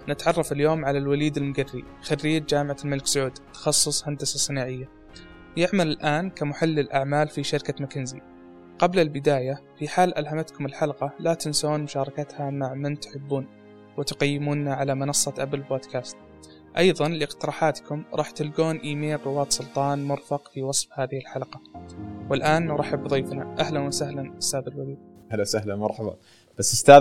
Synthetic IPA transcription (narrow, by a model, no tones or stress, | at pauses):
nɪt̪ʕɑrˤːɑfɪljoːmʕalalwaliːd̪ɪlmʊɡarːḭ | xarːiːd͡ʒd͡ʒaːmɪʕalmɪlɪksʊʕuːd̪t̪ːɑ̥xɑsˤːʊsˤhand̪asɑsˤːɨnaːʕɪjːa | jɪʕmalɪlʔaːnkamʊħalːɪlʔaʕmaːlfiʃɑɾkamakɪnzḭ | qɑblalbɪd̪aːjafiħaːlʔalɦamat̪kʊmɪlħɑlqɑlat̪ɪnsoːnmʊʃɑːɾˤɑkat̪hamaʕmɪnt̪ʊ̥ħɪbːuːn | wɪt̪ʊqajːɪmuːnːaʕalamɪnɑsˤːɑt̪ʔabɪlboːd̪kʰaːst̪ | ʔɑjðˤɑnlɪɪqt̪ɪɾɑːħaːt̪kʊmɾˤɑːħt̪ɪlɡoːnʔiːmeːlrɪwaːt̪sˤʊlt̪ˤɑːnmʊɾfɑqfiwɑsˤfhaːðɪhɪlħalqɑwɪlʔaːnɾˤaħɪbːðˤiːfnaʔahlanwasahlanʔɪst̪aːðalwaliːd̪̚ahlasahlamɑɾˤħɑbɑ̰ | b̥asːʊst̪aː